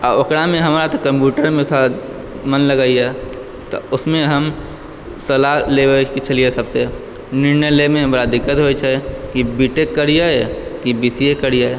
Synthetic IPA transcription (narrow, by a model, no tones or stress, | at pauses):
ɔokɽamẽɦɐmːɾat̪okə̃mpjuːʈəɾmẽsa | mənləɡaːiɦɛ | t̪oʊsmẽɦɐm | səlaleʋəkit͡ʃʰɐliesəbse | nɪɾnəlemẽɦɐməɾad̪ɪkːət̪ɦoit͡ʃʰɛkibiʈekːəɾijaɦɛkibiːsiekəɾijaɦɛ